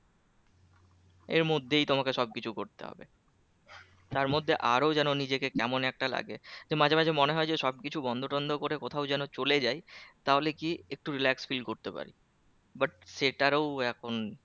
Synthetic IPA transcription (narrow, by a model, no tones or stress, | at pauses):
eɾmod̪ʱːejt̪omakeʃɔb̚kit͡ɕʰukoɾt̪ḛɦɔ̰bḛ | t̪aɾmod̪ʱːeʔaɾod͡ʑɛnonid͡ʑekekɛmonɛk̚ʈala̰ɡed͡ʑemad͡ʑʱamad͡ʑʱemoneɦɔed͡ʑeʃɔb̚kit͡ɕʰubɔnd̪ʱoʈɔnd̪ʱokoɾekot̪ʰawd͡ʑɛnot͡ɕoled͡ʑajt̪aɦolekiek̚ʈuɾilɛksfilɖkoɾt̪epa̰ɾḭ | baʈ̚ʃeʈaɾowɛkʰon